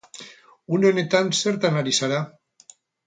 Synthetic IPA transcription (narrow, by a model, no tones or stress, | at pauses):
unenet̪anseɾt̪analisaɾa